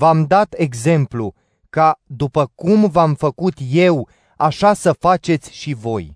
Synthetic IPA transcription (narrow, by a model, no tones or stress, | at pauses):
vamd̪at̪e̞ɡze̞mplṵ | kad̪upəkumvamfəkut̪je̞w | aʃasəfat͡ʃe̞t̪sʲʃivo̞j